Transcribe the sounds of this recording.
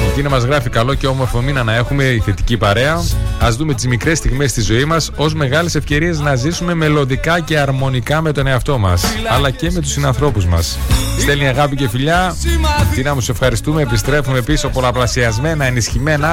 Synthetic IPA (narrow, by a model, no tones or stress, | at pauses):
t̪inɐmɐzɣɾɐfikɐlo̞ceo̞mo̞ɾfominɐnɐe̞xume̞iθe̞t̪icipɐɾe̞ɐɐzðume̞t̪izmikɾe̞st̪iɣme̞st̪izo̞imɐso̞zme̞ɣɐlese̞fce̞ɾie̞znɐzisume̞me̞lo̞ðikɐce̞ɐɾmo̞nikɐme̞t̪o̞ne̞ɐft̪o̞mɐ̰sɐlɐce̞me̞t̪̬usinɐnθɾo̞puzmɐ̰sst̪e̞lniɐɣɐpice̞fiʎɐ | t̪inɐmuse̞fxɐɾist̪ume̞ːpist̪ɾe̞fume̞piso̞po̞lɐplɐsiɐzme̞nɐenisçime̞nɐ